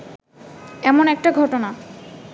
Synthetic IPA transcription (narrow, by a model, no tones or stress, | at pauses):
ɛmonɛk̚ʈaɡʱɔʈona